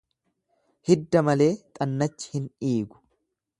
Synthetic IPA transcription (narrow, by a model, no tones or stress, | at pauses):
hɪd̪ːɐmɐle̞ːt̪ʼɐnːɐt͡ʃːɪ̥hɪniːɡʊ̥